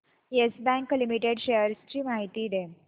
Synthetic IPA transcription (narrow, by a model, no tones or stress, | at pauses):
esbæ̃ŋklimiʈeɖɕeəɾst͡ɕiːmaɦit̪iːd̪e